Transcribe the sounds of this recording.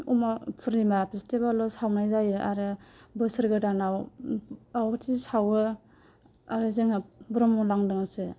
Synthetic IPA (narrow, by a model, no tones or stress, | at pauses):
umapʰɯɾnimapʰistebalɔsawnajzajɯʔa̰ɾɯbɯsɯɾɡɯdanaw | awbatʰisawɯ | aɾɯzeŋabuɾɔmɔŋlaŋdɯŋasɯ